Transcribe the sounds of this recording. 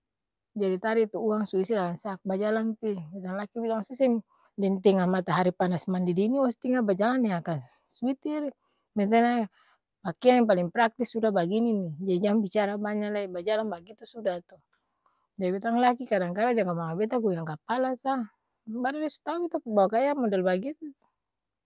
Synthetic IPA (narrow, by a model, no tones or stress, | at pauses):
d͡ʒadit̪aɾit̪uuaŋsuisilalansak̚bad͡ʒalanpibit̪aŋlakibilaŋsisɛŋ | dɛnt̪ɛŋamat̪aɦaɾipanasmandidiniɔst̪iŋabad͡ʒalanːiakanswit̪iɾi | mɛnt̪̬ɛna | pakianipaliŋpɾak̚t̪isːudabaɡininid͡ʒadid͡ʒaŋbit͡ʃaɾabaɲalaibad͡ʒalanbaɡit̪usudaht̪u | d͡ʒadibit̪aŋlakikadaŋkaɾad͡ʒaŋɡamaŋabɛt̪̬aɡujaŋkapalasa | badadɛsu̥t̪aubit̪apubawakajamɔdɛlbaɡit̪ut̪u